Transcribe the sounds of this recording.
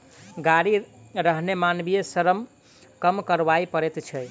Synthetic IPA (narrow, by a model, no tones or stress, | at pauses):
ɡaɽi | ɾəɦnemanbijesəɾəm | kəmkəɾbaipəɾet̪t͡ʃʰɛ